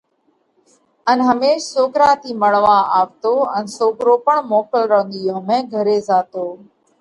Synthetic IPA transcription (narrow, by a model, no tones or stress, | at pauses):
ənɦəmeːʃsoːɡɾaːt̪iːməɽʋaːaːʋt̪oːənsoːɡɾoːpəɳmoːkəlɾəɦə̃nd̪ijõːmẽːɡʱəɾeːzaːt̪oː